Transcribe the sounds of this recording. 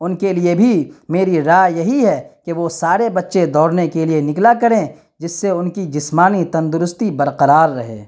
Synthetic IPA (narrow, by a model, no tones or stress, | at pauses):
ʊnkeliebʱimeːɾiɾaːjɐɦiɦɛkeʋosaːɾebɐtːʃed̪ɔːɾnekelienɪklakɐɾẽ | d͡ʒɪsːeʊnkid͡ʒɪsmaːnit̪ɐ̃nd̪ʊɾʊst̪ibɐɾqɐɾaːɾːɐɦḛː